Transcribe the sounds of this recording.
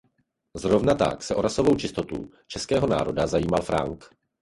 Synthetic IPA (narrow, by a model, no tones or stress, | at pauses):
zɾo̞vnat̪a̰ksɛʔo̞ɾaso̞vo̞wt͡ʃɪst̪o̞t̪ṵ | t͡ʃɛskɛːɦo̞na̰ːɾo̞dazajiːmalfɾa̰ŋk